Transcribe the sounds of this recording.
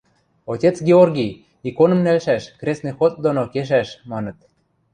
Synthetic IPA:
otʲet͡sɡʲeorɡʲij | ikonɤ̆mnælʃæʃkrʲesnĕxot̪̚d̪onokeʃ̬æʃmɑnɤ̆t̪̚

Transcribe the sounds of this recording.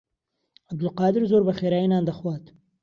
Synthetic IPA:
ab̚d̪ʊlqɑːd̪ɪɾzoːɾbɐxeːɾaːjinaːnd̪ɐxwɑːt̪

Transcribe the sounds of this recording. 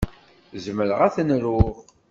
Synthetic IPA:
zməɾəʁæθnɾʊʁ

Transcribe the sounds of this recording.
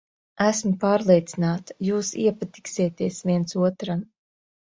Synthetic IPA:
æsmʊpaːɾlˠeɛt̪sinaːt̪ḁjuːsiɛpat̪i̥ksiɛt̪iɛsviɛntsuɔt̪ɾan

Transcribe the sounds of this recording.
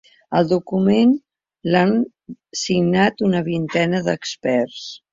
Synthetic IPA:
əlˠd̪ukumen | lan | siɡnat̪unəβint̪ɛnəðəkspɛrs

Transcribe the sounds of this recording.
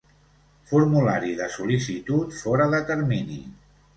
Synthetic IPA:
fuɾmulaɾiðəsulisit̪ut̪fɔɾəðət̪əɾminḭ

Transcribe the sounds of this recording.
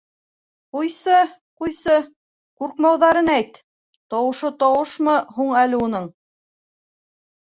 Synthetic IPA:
qujsɤ | qujsɤ | quɾqmɑwðɑɾɤnæjt̪ | t̪ɒwɤ̆ʃɤt̪ɑwɤʃmɤɦuɴælɘunɤɴ

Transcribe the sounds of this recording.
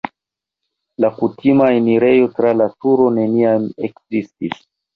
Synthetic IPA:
lakutʰimaeniɾe̞jo̞tɾalatuɾo̞ne̞niamekzistis

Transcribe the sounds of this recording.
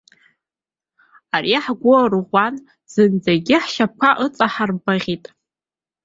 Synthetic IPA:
ariaħɡʷorʁʷan | z̥ɨnd͡zaɡʲɪħʃap̚kʷʰaʔɨt͡sʼaħarbaʁʲitʼ

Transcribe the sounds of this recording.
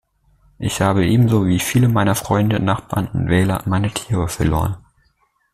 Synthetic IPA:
ʔɪçhaːbəʔeːbm̩zoːviːfiːləmaɪnɐfʁ̥ɔʏndənaχb̥a̰ːɐnʊ̰ntv̥ɛːlɐ̰maɪnətʰiːʁəfɛɐlo̰ːʁən

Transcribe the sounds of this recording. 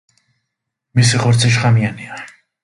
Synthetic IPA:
misiχɔɾt̪sʰiʃ̬χamiania

